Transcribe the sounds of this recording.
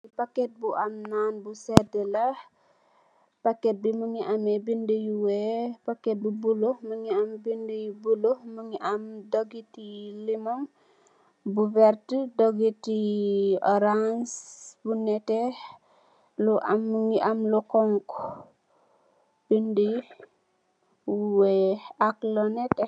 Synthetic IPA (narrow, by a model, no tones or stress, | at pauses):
ipakːɛt̚buʔɐmnaːnbusɛdəlɐ | pakɛt̚bimuŋiʔamɛbindəjuwɛpakɛt̚bubulohməŋiɐmbindəjubulohməŋiʔɐmdɔɡitilimɔŋ | buvɛɾtədɔɡitiɔɾansbunɛte | luʔamːəŋiʔamlukɔŋk | b̥indəj | wuwɛaklɔnɛtɛ